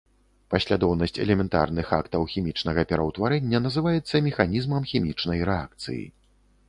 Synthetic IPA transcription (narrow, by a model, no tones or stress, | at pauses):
pɐsʲlʲad̪ɔwnɐsʲt͡sʲɛ̰lʲɛmʲɛnt̪a̰rnɨxa̰kt̪ɐwxʲimʲit͡ʂnɐɣɐpʲɛɾɐwt̪vaɾɛnʲːɐnɐzɨvajɛt̪sːɐmʲɛxanʲizmɐmxʲimʲit͡ʂnɐjɾɛa̰k̚t̪sɨ̰jḭ